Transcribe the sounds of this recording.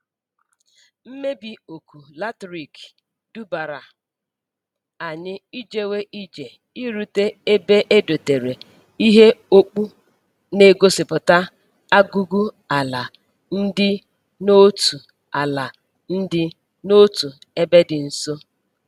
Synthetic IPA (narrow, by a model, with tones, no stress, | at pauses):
m̩˦me˦bi˨o˨ku˨la˦tɾi˨k | du˦ba˨ɾa˨ | a˨ɲɪ˦i˦d͡ʒe˦we˦ʔi˦d͡ʒe˨ | i˦ɾu˦te˦e˦be˦ʔe˦do˨te˨ɾe˨ | i˦ɦe˦o˦k͡pu˦ | ne˨ɡo˦sɪ˨pʊ˨ta˦ | a˦ɡu˦ɡu˦ | a˨la˨ | n̩˦dɪ˦ | no˦tu˨ | a˨la˨ | n̩˦dɪ˦ | no˦tu˨ | e˦be˦dɪ˨n̩˨so˦